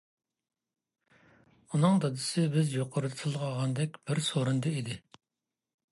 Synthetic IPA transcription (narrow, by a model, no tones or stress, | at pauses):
unɨŋd̪ɑd̪ɨsɪbɪzjoqʰoɾɨt̪ʰɨlˠʁɑʁɑnd̪ɛkʲb̥ɪɾsoɾɨnd̪ɨid̪ɪ